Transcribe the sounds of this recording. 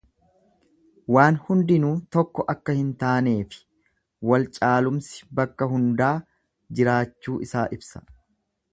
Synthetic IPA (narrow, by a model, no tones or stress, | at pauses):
waːnhʊnd̪ɪnuːt̪ɔkːɔʔɐkːɐhɪnt̪aːne̞ːfɪ̥ | wɐlt͡ʃʼaːlʊmsɪ̥bɐkːɐɦʊnd̪aː | d͡ʒɪɾaːt͡ʃːuːʔɪsaːʔɪbsɐ̥